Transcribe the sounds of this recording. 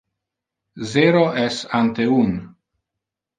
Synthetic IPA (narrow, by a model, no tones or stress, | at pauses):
zeɾoʔɛsant̪eun